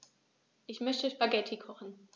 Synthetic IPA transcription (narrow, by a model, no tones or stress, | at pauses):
ʔɪçmœçtəʃb̥aɡɛtʰikʰɔχn̩